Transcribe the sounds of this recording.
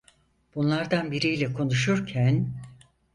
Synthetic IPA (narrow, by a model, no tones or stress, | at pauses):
b̥unlˠaɾd̪anbiɾijlʲɛkʰo̞nuʃuɾcʰæn